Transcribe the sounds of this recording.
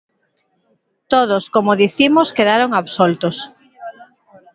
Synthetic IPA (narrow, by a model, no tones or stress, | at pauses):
t̪oð̞oskomoðiθimoskeðaɾoŋaβsolt̪os